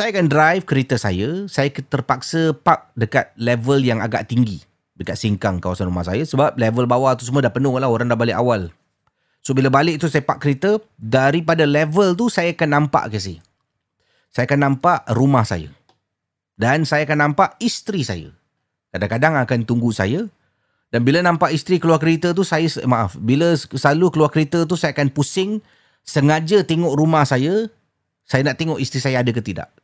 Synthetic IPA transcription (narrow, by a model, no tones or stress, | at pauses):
sajakandrajfkəɾet̪əsa̰jəsajakət̪ərpak̚səpak̚dəkat̪̚lɛvəljaŋa̰ɡa̰ʔt̪iŋɡi | dəkat̪̚siŋkaŋkawasanrumahsajasəbap̚lɛvəlbawat̪usəmuadapənukaʔlahoɾaŋdahbalɪʔawal | sobilabalɪʔ̚t̪usajəpaʔ̚kːəɾet̪ədaɾipadalɛvəlt̪̬usajaakanːãmpa̰ʔkəs̬ajə | sajakanːãmpaʔrumahsa̰ja̰ | dansajaakanːãmpaʔist̪ɾisa̰ja̰ | kadaŋkadaŋakant̪uŋɡusa̰ja | danbilanãmpaʔist̪ɾikəluarkəɾit̪ət̪̬usajasmãʔa̰fbiləslalukəluarkəɾet̪ət̪̬usajaakanpusɪŋ | səŋad͡ʒət̪eŋɔʔɾumahsajə | sajanaʔt̪eŋɔʔist̪ɾisajaadəkət̪ida̰ʔ